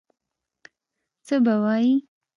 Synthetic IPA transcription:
t͡səbawɑji

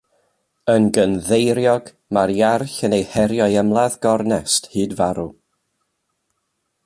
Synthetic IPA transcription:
ənɡənðejɾjɔɡ | maɾiarɬənejhɛɾjɔjəmlˠaðɡɔrnɛsthɨːdvaɾu

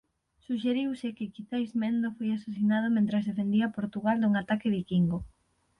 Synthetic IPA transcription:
suʃeɾiwsɪkɪkiθajzmẽnd̪ofojasas̬inað̞omẽnt̪ɾazðefend̪iapoɾt̪uɣald̪uŋat̪akɪβ̞ikiŋɡo

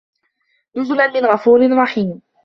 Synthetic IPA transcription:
nʊzlanmɪnɣɑfuːɾɪnɾˤɑħiːm

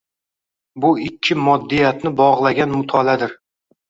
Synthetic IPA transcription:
bʊɪkʲʰːɪmɒd̪ːijat̪nɪbɒʁlˠaɡʲanmʊt̪ʰɒlad̪ɪɾ

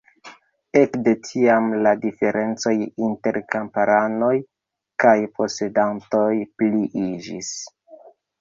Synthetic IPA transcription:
e̞kde̞tʰiamladife̞ɾʔe̞nt͡so̞jinte̞ɾkampaɾano̞j | kajpʰo̞se̞danto̞jpliʔid͡ʒḭs

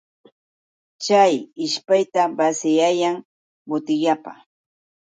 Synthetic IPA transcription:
t͡ʃajɪʃpajt̪abasɪjajaŋ | bʊt̪ɪʎapa̰

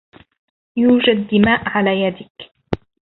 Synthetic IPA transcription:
juːd͡ʒadd̪ːɪmaːʔʕalaːjad̪ɪk

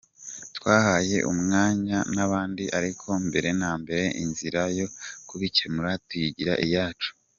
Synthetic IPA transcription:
twaːhaje̞̰ʔṵmŋaːɲanaβaːndiʔaɾikʰo̞mbe̞ɾe̞naːmbe̞ɾe̞ʔinziɾajo̞kuβicenuɾatujiɟiɾaʔijaːt͡ʃu̥

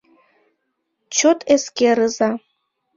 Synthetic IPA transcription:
t͡ʃʰot̪ʼʰeskʲeɾɨza

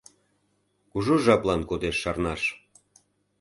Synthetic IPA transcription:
kuʒoʒɑplɑnkod̪eʃːɑrnɑʃ

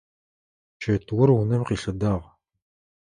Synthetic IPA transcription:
ʃʰɐtʰwʊrunɐmqiːɬɐdaːʁ

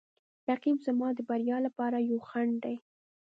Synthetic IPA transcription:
ɾaqimzamɑd̪əbaɾjɑlapɑɾajawxaɳd̪aj

